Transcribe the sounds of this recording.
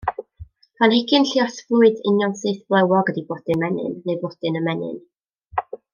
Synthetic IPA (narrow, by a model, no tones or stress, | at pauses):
pʰanɪɡɪnɬiɔsvlʊɨdɪnjɔnsɨːθb̥lˠɛwɔɡədibɔd̥ɨnmɛnɪ̰nːebɔd̥ɨnəmɛnɪ̰n